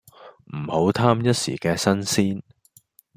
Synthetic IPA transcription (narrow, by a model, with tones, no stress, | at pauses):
m̩˨˩ho˨˥wt̪ʰaː˥mjɐ˥t̚sḭ˨˩kɛː˧sɐ˥nsiː˥n